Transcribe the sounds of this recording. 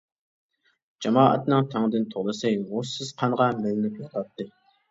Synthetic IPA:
d͡ʒɑmɑːʔɛ̰t̪nɨŋt̪ʰæŋd̪ɨnt̪ʰoʁlˠɨsɨjʁʊsɨz̥qʰɑŋʁɑmɪlɪnɪpjɑt̪ʰɑt̪ʰːɨ

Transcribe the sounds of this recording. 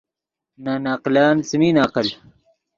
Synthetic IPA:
nanaːqlaːnsimiːnaːqəl

